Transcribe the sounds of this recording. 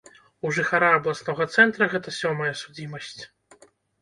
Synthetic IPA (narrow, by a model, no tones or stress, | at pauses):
uʐɨxaɾaɐblˠasnɔɣɐt̪sɛnt̪ɾɐɣɛt̪ɐsʲɔmɐjɐsud͡zʲimɐsʲt͡sʲ